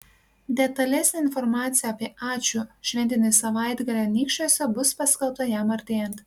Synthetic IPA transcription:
d̪ʲɛt̪ɐlʲɛsʲnʲeɪnfɔɾmɑːt̪sʲɪjɛɐpʲiɛʔɑːt͡ʃʲuːʃʲʋʲɛnʲt̪ʲɪnʲɛsɐʋɑˑɪd̪ɡɐlʲɛnʲiːkʃʲt͡ʃʲoːsʲɛbʊspɐsʲkʲɛlˠp̚t̪ɐjæmɐɾʲt̪ʲeːjɛnt̪

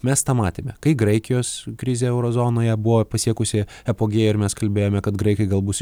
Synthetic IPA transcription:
mʲɛst̪ɑːmɑːt̪ʲeːmʲɛkɐɪɡɾɐɪkʲɪjoːskɾʲɪzʲeːɛʊɾoːzoːnoːjɛbʊʋoːpɐsʲiɛkʊsʲɪ | ɛpoːɡʲeːjɪɾmʲɛskɐlʲbʲeːjoːmʲɛkɐt̪ɡɾɐɪkɐɪɡɐlˠbuːsʲ

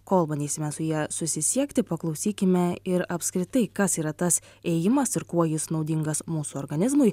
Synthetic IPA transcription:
koːlˠbɐnʲd̪ʲiːsʲɪmʲɛsʊjiɛsʊsʲɪsʲiɛkt̪ʲɪpɐklˠɒʊsʲiːkʲɪmʲɛɪɾɐpʲskɾʲɪt̪ɐɪkɐsiːɾɐt̪ɐs | ɛːjɪmɐsɪɾkuɔjɪsnɒʊd̪ʲɪŋɡɐsmuːsuɔɾɡɐnʲɪzmʊɪ

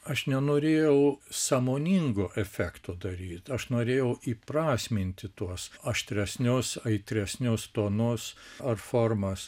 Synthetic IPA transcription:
ɐʃnʲɛnoːɾʲeːjɛʊsɑːmoːnʲiŋɡʊʔɛfʲæːkt̪ʊd̪ɐɾʲiːt̪ɐʃnoːɾʲeːjɛʊʔiːprɑːsʲmʲɪnʲt̪ʲɪt̪uɔsɐʃʲt̪ʲɾʲɛsʲnʲʊsɐɪt̪ʲɾʲɛsʲnʲʊst̪oːnʊsɐrfoːrmɐs

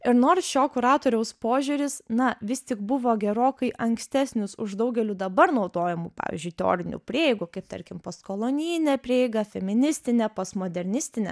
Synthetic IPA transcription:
ɪɾnoːrsʃʲoːkʊɾɑːt̪oːɾʲɛʊspoːʒʲʊɾʲɪsnɐʋʲɪst̪ʲɪkbʊʋoːɡʲɛɾoːkɐɪʔɐŋksʲt̪ʲæːsʲnʲʊsʊʒd̪ɐʊɡʲɛlʲud̪ɐbɐɾnɒʊd̪oːjɛmupɑ̰ːʋʲɪ̰zʲd͡ʒʲʊɪt̪ʲɛo̰ːɾʲɪnʲʊ̰ːpʲɾʲeːɪɡukɐɪp̚t̪ɐ̰ɾʲkʲɪmpɐskolˠonʲiːnʲɛpʲɾʲeːɪɡɐfʲɛmʲɪnʲɪsʲt̪ʲɪnʲɛpɐsmoːd̪ʲɛɾʲnʲɪsʲt̪ʲɪnʲɛ̰

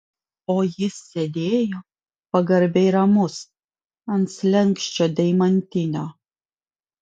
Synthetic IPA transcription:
oːjɪsːʲed̪ʲeːjoː | pɐɡɐɾʲbʲɛjɾɐmʊs | ɐnt̪slʲɛŋkʃʲt͡ʃʲod̪ʲɐɪmɐnʲt̪ʲɪnʲoː

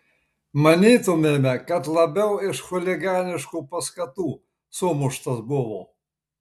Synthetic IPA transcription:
mɐnʲiːt̪ʊmʲeːmʲɛkɐt̪lˠɐbʲɛʊɪʃxʊlʲɪɡɑːnʲɪʃkuːpɐskɐt̪uː | sʊmʊʃt̪ɐsbʊʋoː

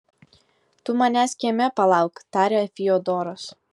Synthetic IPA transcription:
t̪ʊmɑnʲæsʲkʲɛmʲɛpɐlˠɑˑʊkt̪ɑːɾʲeːɐfʲiod̪ɔːɾɔs

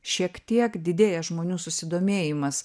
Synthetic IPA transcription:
ʃʲiɛkt̪ʲiɛkd̪ʲɪd̪ʲeːjɛʒmoːnʲuːsʊsʲɪd̪oːmʲeːjɪmɐs

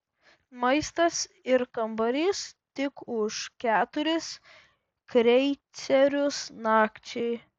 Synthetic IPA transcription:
mɐɪst̪ɐs | ɪɾkɐmbɐɾʲɪst̪ʲɪkʊʃkʲæːt̪ʊɾʲɪs | kɾʲɛɪsʲɛɾʲʊsnɑːkt͡ʃʲɛɪ

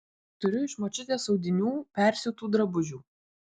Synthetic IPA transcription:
t̪ʊɾʲʊɪʃmot͡ʃʲɪt̪ʲeːsɒʊd̪ʲɪnʲuːpʲɛˑɾʲsʲʊt̪uːd̪ɾɐbʊʒʲuː

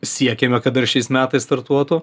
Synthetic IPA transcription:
sʲiɛkʲɛmʲɛkɐt̪ɐrʃʲɛɪsmʲæːt̪ɐɪst̪ɐɾt̪uɔt̪ʊ

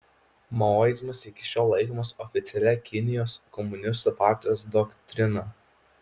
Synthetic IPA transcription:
mojzmɐsɪkʲɪʃʲoːlˠlˠɐɪkɔmɐsɔfʲɪt̪sʲɛlʲɛkʲɪnʲɪjoːskɔmʊnʲɪs̬t̪uːpɑˑɾʲt̪ʲɪjoːsd̪ɔkt̪ʲɾʲɪnɐ

